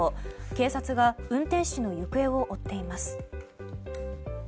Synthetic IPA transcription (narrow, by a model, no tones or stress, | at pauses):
oke̞ːsat͡sɨɡaɯ̟̃nt̪ẽ̞ɰ̃ɕino̞jɯkɯ̟e̞o̞ʔot̪ːe̞imasɨ̥